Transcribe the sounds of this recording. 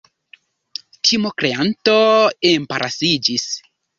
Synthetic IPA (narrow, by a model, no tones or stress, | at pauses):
tʰimokɾeanto̞empaɾʔasid͡ʒis